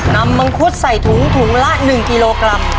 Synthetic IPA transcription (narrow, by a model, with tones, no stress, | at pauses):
na˧˥mːa˧ŋkʰu˦˥t̪̚sa˨˩jt̪ʰu˩˦ŋt̪ʰu˩˦ŋla˦˥ʔnɯ˨˩ŋki˧loː˧kɾa˧m